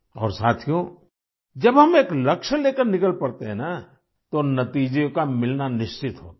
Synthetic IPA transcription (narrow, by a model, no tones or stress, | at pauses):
ɔ̰ːɾsaːt̪ʰijõ | d͡ʒɐbɦɐmeːklɐkʃleːkəɾnɪkəlpɐɽt̪eɦɛ̃na | t̪onɐt̪iːd͡ʒõkamɪlnanɪʃt͡ʃɪt̪ɦo̰ːt̪a